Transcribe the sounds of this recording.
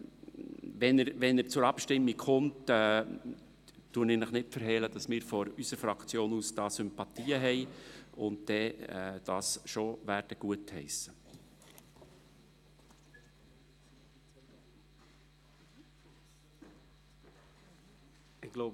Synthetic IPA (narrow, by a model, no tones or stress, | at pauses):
ʋɛnəɾʋɛnəɾt͡sʊɾɑpʃtɪmːikχʊmtɛ | tuənɪnɪχnɪtfəɾɦɛləd̥ɑsmɪːɾfɔɾysəɾfɾɑkt͡sjoːnuːsd̥ɑːsʏmpɑtiːəɦɛɪʊn̚d̥ɛd̥ɑːsʃoʋæːɾd̥əɡ̥uəthɛɪsə | ɪɡ̥lo